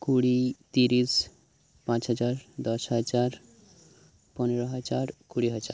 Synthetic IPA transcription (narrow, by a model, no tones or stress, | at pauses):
kuɽit̪iɾis | pãt͡ʃɦɔd͡ʒaɾd̪ɔsɦɔd͡ʒaɾ | pɔneɾɔɦɔd͡ʒaɾkuɽiɦɔd͡ʒaɾ